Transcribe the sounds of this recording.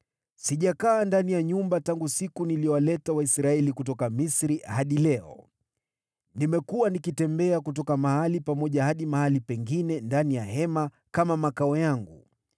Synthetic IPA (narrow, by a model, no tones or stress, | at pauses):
siʄakaːndanijaɲumbataŋɡusikuniliɔwalɛtawaisɾaɛlikut̬ɔkamisɾihaɗilɛɔ̰ | nimɛkuwanikitɛmbɛakutɔkamahalipamɔʄahaɗimahalipɛŋɡinɛndanijahɛma | kamamakaɔjaŋɡṵ